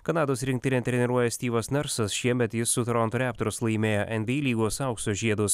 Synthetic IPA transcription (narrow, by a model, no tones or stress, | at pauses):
kɐnɑːd̪oːsɾʲɪŋk̚ʲt̪ʲɪnʲeːt̪ʲɾʲɛnʲɛɾuɔjɛsʲt̪ʲiːʋɐsnʲɐɾsɐsʃʲiɛmʲɛt̪jɪsːʊt̪ɾɔnt̪ʊɾʲæːp̚t̪ɔɾʊslˠɐɪmʲeːjɛʔɛnʲʋʲeiːlʲiːɡoːsɐʊkst̪oːʒʲiɛd̪ʊs